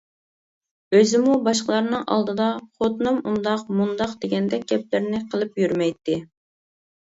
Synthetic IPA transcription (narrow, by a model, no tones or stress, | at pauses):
øzɪmubɑʃqəlˠɑɾnɨŋɑ̰lˠd̪ɨd̪ɑχot̪nɨmʔund̪ɑqmund̪ɑqd̪eɡʲɛnd̪ɛɡʲɛp̚lɪɾnɪqʰəlˠɨpjyɾmɛjt̪ːɪ